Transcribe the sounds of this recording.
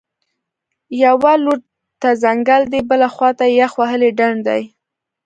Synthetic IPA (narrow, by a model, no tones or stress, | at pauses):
jawaloɾ | t̪azaŋɡald̪ebəlaxwɑt̪ajaxwaɦəleɖaɳɖd̪a̰j